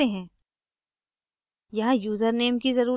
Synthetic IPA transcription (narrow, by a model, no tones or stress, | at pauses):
eɦɛ̃ː | jɐɦãjuːzəɾneːmkizɐɾuː